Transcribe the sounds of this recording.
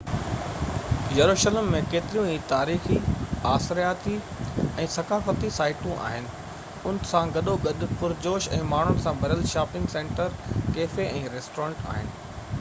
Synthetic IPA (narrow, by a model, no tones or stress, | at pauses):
jɐɾuːʃələmːẽkeːt̪ɪɾijũiːt̪aːɾiːxiaːsɾjaːt̪i | ɛ̃ːsɐkaːfət̪isaːɪʈũʔa̰ːɦɪnɪ̆ | ʊnɪsãɡɐɗoɡɐɗʊpʊɾd͡ʑoːʃɛ̰̃ːmaːɳ̤ʊnɪ̆sãbʱɐɾəlʃaːpɪ̃ŋɡsẽːɳʈəɾkeːfeɛ̃ːɾeːsʈoːɾẽːɳʈa̰ːɦɪnɪ̆